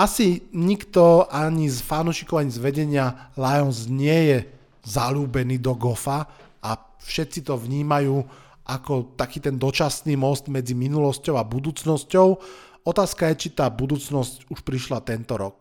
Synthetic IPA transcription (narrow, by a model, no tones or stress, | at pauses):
asiɲikt̪ɔaɲizfanuːʃikɔʊaɲizʋɛɟɛɲɪalajɔnzɲɪɛjɛ | zaluːbɛniːd̪ɔɡɔfa | ʔa | fʃɛt̪t͡sit̪ɔʋɲiːmajuː | ʔakɔt̪akiːt̪ɛnd̪ɔt͡ʃasniːmɔst̪mɛd͡ziminulɔscɔʊabud̪uːt͡snɔscɔʊ | ɔt̪aːskajɛt͡ʃit̪aːbud̪uːt͡snɔscuʃpɾiʃlat̪ɛnt̪ɔɾɔk